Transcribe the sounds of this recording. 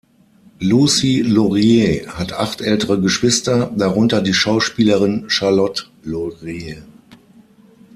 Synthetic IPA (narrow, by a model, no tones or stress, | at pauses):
lusilɔʁjehatʔa̰χtʔɛltəʁəɡəʃv̥ɪstɐdaʁʊntɐdiːʃaʊʃpiːləʁɪnʃaɐlɔt | lɔʁe